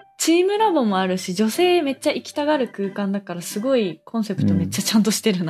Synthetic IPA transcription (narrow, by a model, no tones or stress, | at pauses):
t͡ɕiːmɯ̟ɾabo̞mo̞aɾɯ̟ɕid͡ʑo̞se̞ːme̞t͡ɕːaikʲi̥t̪aɡaɾɯ̟kɯ̟ːkãnd̪akaɾasɨɡo̞ikʰõɰ̃se̞pɯ̟̥t̪o̞me̞t͡ɕːat͡ɕãnt̪o̞ɕi̥t̪e̞ɾɯ̟n